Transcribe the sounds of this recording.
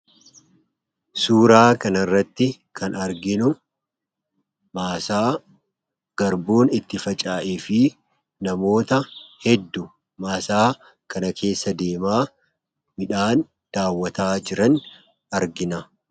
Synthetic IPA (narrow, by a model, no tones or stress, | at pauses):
suːɾaːkɐnɐrːɐt̪ːɪ | kʰɐnɐɾɡɪnʊ | maːsaː | ɡ̥ɐɾbuːnɪt̪ːɪfɐt͡ʃʼaːʔeːfɪ | nɐmo̞ːt̪ɐhɛd̪ːʊ | maːsaː | kɐnɐkʰe̞ːsːɐd̪e̞ːmaː | mɪᶑaːn | d̪̥aːwːɐt̪aːd͡ʒɪɾɐn | ɐɾɡɪnɐ